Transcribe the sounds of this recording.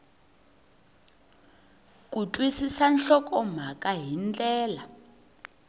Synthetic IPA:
k̬ʼutʼwisisanɬɔkʼɔm̤akʼaɦint͡ɬʼɛːla

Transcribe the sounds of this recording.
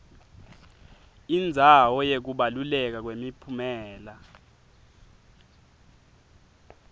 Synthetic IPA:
ind͡zʱawɔjek̬uɓalulɛk̬ak̬wemipʰumɛːla

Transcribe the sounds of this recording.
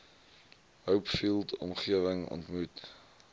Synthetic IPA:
ɦəwpfilˠtʰɔ̰mχiəvəŋɔ̰ntmut

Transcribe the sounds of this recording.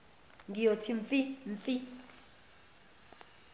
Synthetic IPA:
ŋɡijotʰiɱfiɱfi

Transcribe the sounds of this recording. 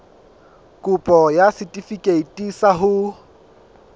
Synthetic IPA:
kʼʊpʼɔjasɪtʼifikʼeitʼisaɦʊ

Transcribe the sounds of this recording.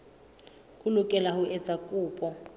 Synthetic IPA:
hʊlʊkʼɛlahʊɛt͡sʼakʼʊːpʼɔ

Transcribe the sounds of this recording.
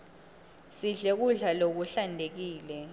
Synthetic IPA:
siɮek̬uɮalok̬uɬandʱek̬iːlɛ

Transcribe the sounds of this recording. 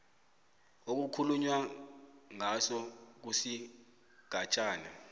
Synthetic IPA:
ok̬ukʰuluɲwa | ŋasɔk̬usi | ɡ̥ʱat͡ʃʼaːna

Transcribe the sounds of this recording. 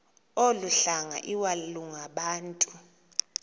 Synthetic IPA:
oluɬaŋa̰ʔiwaluŋaɓaːntʼu

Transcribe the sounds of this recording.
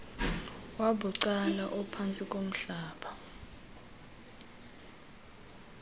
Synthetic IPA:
waɓuǀalaʔɔpʰant͡sʼikʼom̩ɬaːɓa

